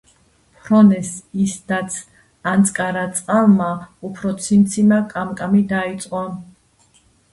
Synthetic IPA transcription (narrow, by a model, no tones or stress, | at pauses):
pʰɾɔnɛsisd̪at̪sʰ | ant̪sʼkʼaɾat̪sʼqʼalmaupʰɾɔt̪sʰint̪sʰimakʼamkʼamid̪ait̪sʼqʼɔ